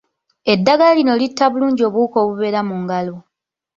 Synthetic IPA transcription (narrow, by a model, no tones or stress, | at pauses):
e̞dːaɡalalino̞litːaβuluːɲɟio̞ːβuːko̞ːβuβe̞ɾamuŋɡalo